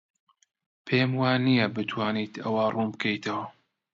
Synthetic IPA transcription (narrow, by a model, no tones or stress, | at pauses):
pʰeːmwaːnijɐbɨt̪ʰwaːniːt̪ʰɐwarʔumbɨkʰɐjt̪ʰɐwɐ